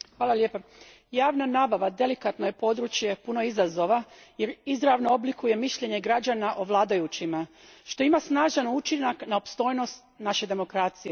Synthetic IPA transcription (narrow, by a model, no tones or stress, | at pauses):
xʋaːlalje̞ːpa | jaːʋnanaːbaʋad̪e̞likat̪no̞je̞po̞d̪ɾut͡ɕje̞puno̞izazo̞ʋaje̞ɾizɾaʋnoo̞blikuje̞miʃʎe̞ɲe̞ɡɾad͡ʑanaʔo̞ʋlˠaːd̪ajut͡ɕima | ʃt̪o̞imasnaːʒanut͡ʃinaknaopst̪o̞jno̞st̪̚naʃe̞d̪e̞mo̞kɾaːt̪sije